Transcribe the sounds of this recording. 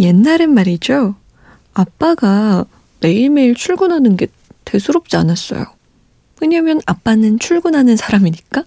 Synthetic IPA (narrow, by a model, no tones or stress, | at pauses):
je̞nːaɾɯnmaɾid͡ʑo | ap͈aɡa | me̞iɭme̞iɭt͡ɕʰuɭɡunɦanɯnɡe̞ | te̞sʰuɾop̚t͡ɕ͈ia̰nas͈ʌ̰jo̰ | weɲamjʌnap͈anɯnt͡ɕʰuɭɡunɦanɯnsʰaɾamiɲik͈a